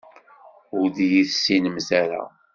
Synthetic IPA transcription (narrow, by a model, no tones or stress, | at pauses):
ʊɾðjiθsːinəmzæɾa̰